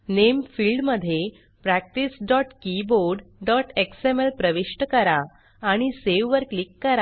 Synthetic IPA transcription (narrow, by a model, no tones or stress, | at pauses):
nemfilɖməd̪ʱːje | pɾæk̚ʈisɖɔʈkiboɾɖɖɔʈeksemelpɾəʋiɕʈəkəɾaː | ɽ̃iseʋʋəɾklikːəɾa